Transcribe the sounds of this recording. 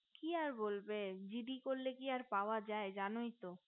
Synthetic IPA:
kiaɾbolbed͡ʑiɖikoɾlekiaɾpaoad͡ʑaed͡ʑanojt̪o

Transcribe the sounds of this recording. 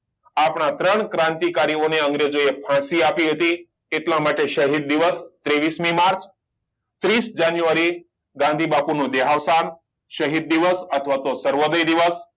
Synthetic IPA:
apɳ̃at̪ɾəɳkɾãnt̪ikaɾioneəŋɡɾed͡ʒoepʰãsiapiɦət̪i | et̪lãmaʈeʃəɦid̪̚ːiʋəst̪ɾeʋismimaɾt͡ʃ | t̪ɾisd͡ʒanjuʋaɾi | ɡãnd̪ʱibapunũd̪eɦaʋsan | ʃəɦid̪̚ːiʋəsət̪ʰəʋat̪osəɾʋod̪əjd̪iʋəs

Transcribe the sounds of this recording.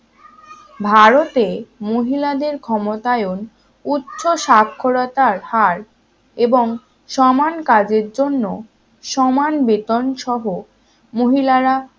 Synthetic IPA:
bʱaɾot̪emoɦilad̪eɾkʰɔmot̪aeon | utːɕoʃakʰːoɾat̪aɾhaɾ | eboŋ | ʃɔmankad͡ʑeɾd͡ʑonːo | ʃɔmanbet̪onʃɔɦo | moɦilaɾa

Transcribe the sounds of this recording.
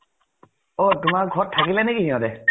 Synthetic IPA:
ot̪umaɡʱɔɾt̪ʰakilanekiɦĩɔ̃de

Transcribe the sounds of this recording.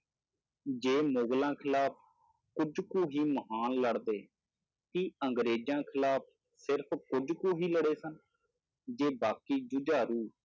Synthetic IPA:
d͡ʒeːmoːɡlãːkʰɪlaːpʰ | kʊd͡ʒkũːɦiːməɦaːnləɽd̪eː | k̪iːəŋɡɾeːd͡ʒjãːkʰɪlaːpʰ | sɪɾpʰkʊd͡ʒkũːɦiːləɽeːsən | d͡ʒeːbaːkiːd͡ʒʊd͡ʒaːɾuː

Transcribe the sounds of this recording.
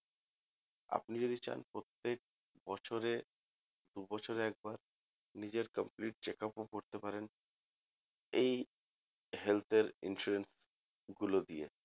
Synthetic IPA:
a̰pnid͡ʑod̪it͡ɕa̰npɾot̪ːek̚ | bɔt͡ɕʰoɾe | d̪ubɔt͡ɕʰoɾeɛk̚baɾ | nid͡ʑeɾkəmpliʈ̚t͡ɕekapokoɾt̪epaɾen | ej | ɦelt̪ʰeɾḭnʃuɾens | ɡulod̪iḛ

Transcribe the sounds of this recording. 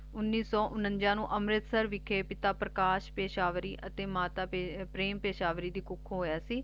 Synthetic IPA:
ʊnːiːsɔːʔʊnə̃nd͡ʒãːnũːʔəmɾɪt̪səɾʋɪkʰeːpɪt̪aːpɾəkaːʃpeːʃaːʋɾiːʔət̪eːmaːt̪aːepɾeːmpeːʃaːʋɾiːd̪iːkʊkʰːɦoːjaːsiː

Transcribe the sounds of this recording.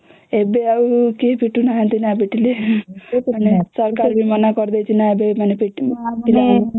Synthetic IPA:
ebeaukepʰiʈunaɦẽnt̪inapiʈile | manesɔɾkaɾbimanakɔɾd̪ejt͡ʃʰinaebemanepiʈpila

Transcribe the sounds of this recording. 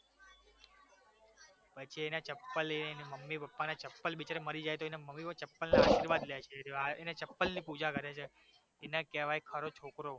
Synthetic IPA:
pət͡ʃʰienat͡ʃəpːəleneməmːipəpːanat͡ʃəpːəlbit͡ʃaɾeməɾid͡ʒajt̪oenaməmːipət͡ʃəpːəlnaaʃiɾʋad̪let͡ʃʰetaenat͡ʃəpːəlnipud͡ʒakəɾet͡ʃʰeː | nakeʋajkʰəɾot͡ʃʰokɾo

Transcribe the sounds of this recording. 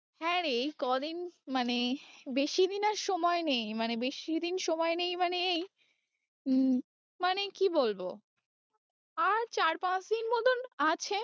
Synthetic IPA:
hɛɾejkɔd̪inmanebeʃid̪inaɾʃɔmɔenejmanebeʃid̪inʃɔmɔenejmaneej | manekibolbo̰ | aɾt͡ɕaɾpãt͡ɕd̪inmɔd̪onat͡ɕʰe

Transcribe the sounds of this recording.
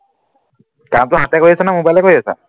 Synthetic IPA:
kamtʊɦatɛkoɹiasɛnamobajlɛkoɹiasa̰

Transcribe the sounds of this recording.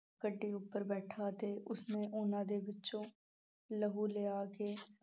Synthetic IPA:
kəɖːiʊpːəɾbɛːʈʰaːt̪eʔʊsnẽʔʊːnãːd̪ebɪtːʃõ | ləɦuleːaːke

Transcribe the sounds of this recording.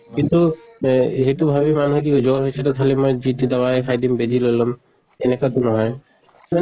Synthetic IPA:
int̪u | etubʱabimanuɦk̬id͡ʒɔɹɦojsʰɛtɔkʰalimɔjd͡ʒit̪id̪awaɛkʰajd̪imbedilojlɔm | enekat̪unɔɦɔj | ma

